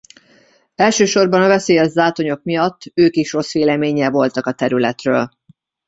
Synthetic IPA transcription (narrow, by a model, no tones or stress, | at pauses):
ɛlʃøːʃo̞rbɒnɒvɛseːjɛʒd̪aːt̪o̞ɲo̞kmijɒt̪ːøːkiʃro̞sʋeːlɛmeːɲɛvo̞lt̪ɒkɒt̪ɛɾylɛt̪rø̰ːl